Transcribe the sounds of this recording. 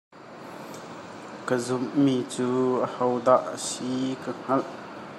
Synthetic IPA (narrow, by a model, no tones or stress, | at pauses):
kəzʊmmiːt͡suːʔəhɔwd̪aʔəsikəŋ̥ɐlʔ